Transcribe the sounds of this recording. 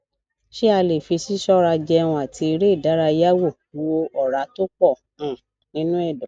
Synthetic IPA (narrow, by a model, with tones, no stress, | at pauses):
ʃi˦a˧le˨fi˨˧si˦sɔ˦ɾa˧d͡ʒɛ˧wũ˧a˨tʰi˧i˧ɾe˦˨da˨˦ɾa˧˦ja˦wo˦˨wo˧ɔ˨ɾa˨˧˦to˦k͡pɔ˦˨ | ũ˨ | nĩ˦nũ˦ɛ˦˨dɔ˨